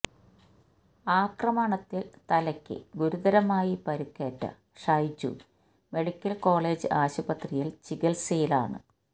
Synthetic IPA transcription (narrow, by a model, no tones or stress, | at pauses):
aːkrɐmaːɳɐt̪ːilt̪ɐlɐkʲːɨ̰ɡuɾuðɐɾɐmaːjipɐɾukːeːʈːɐ̰ | ʂɐjt͡ɕːṵ | me̞ɽikʲːɐlko̞ːɭe̞ːd͡ʑɨaːɕubɐt̪rijilt͡ɕiɣɐlsejila̰ːɳɨ̰